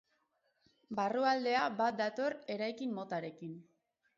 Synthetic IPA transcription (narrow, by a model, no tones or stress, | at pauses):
baruald̪e̞abat̪̚d̪at̪o̞re̞ɾajkimːo̞t̪aɾe̞kin